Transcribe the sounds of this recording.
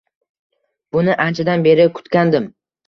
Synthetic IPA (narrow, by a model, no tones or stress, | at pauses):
b̥ʊnɪʔant͡ʃʰad̪anbe̞ɾɪkʰʊ̥t̪kʲand̪ɪm